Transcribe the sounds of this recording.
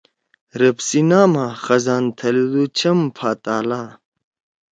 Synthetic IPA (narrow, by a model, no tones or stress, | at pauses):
ɾɐpsinaːmaːxɐzaːnt̪ʰɐlid̪ut͡ɕʰɐmpʰaːt̪aːlaː